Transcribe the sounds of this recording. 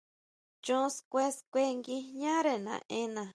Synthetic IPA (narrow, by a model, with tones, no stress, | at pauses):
t͡ʃõ˦skʷe˦skʷe˦˧ŋɡi˧ɲã˦ɾe˧nã̰˨ʔẽ˦nã˨